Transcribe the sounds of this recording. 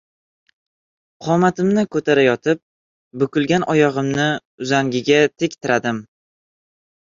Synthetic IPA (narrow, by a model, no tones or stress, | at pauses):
qʰɒmat̪ʰɪmnɪkʰɵt̪ʰaɾajɒt̪ʰɪp̚ | bʊkʊlˠɡʲanʔɒjɒʁɨmnɪ | ʊzaŋɡʲɪɡʲat̪ʰekʲt̪ʰɪɾʔad̪ɪm